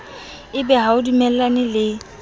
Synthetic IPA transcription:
ɪbɛɦaʊdimɛl̩lanɪlɪ

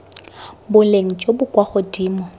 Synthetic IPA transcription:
bʊleŋ̩t͡ʃʼobʊkʼwaχʊdiːmɔ

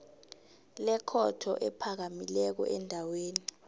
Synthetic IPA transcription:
lɛkʰɔtʰɔ̰ʔɛpʰak̬amilɛk̬ɔ̰ʔɛndʱaweːni

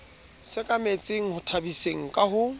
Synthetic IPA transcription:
sɪkʼamet͡sʼeŋ̩hʊtʰabiseŋ̩kʼaɦʊ

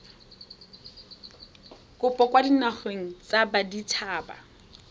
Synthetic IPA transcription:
kʼʊpʼɔkwadinaχweŋ̩t͡sabaditʰaːba̰

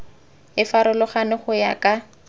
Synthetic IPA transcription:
ɪfaɾʊlʊχanɪχʊja̰kʼa

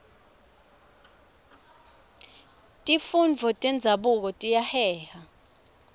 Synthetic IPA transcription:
tʼifund͡vʱɔtʼɛnd͡zʱaɓuk̬ɔtʼijahɛːha

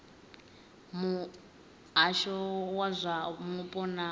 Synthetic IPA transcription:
mu | ɦaʃɔwazʷamupʼɔna

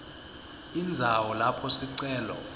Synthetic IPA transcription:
ind͡zʱawɔlapʰɔsiǀɛːlɔ̰

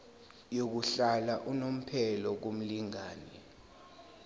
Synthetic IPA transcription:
jok̬uɬalaʔunom̩pʰɛlɔk̬om̩liŋaːnɛ

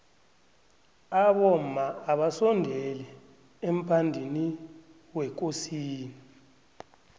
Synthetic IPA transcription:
aɓɔmmaːɓasɔndʱɛlɛ | em̩pʰandʱini | wɛk̬ʼosiːni

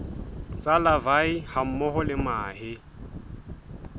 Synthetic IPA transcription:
t͡sʼalavaiham̩mɔɦɔlɪmaːhɪ

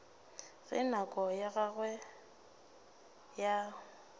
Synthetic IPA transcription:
ɣɪ̰nakʼɔjaɣaɣwɛ | ja

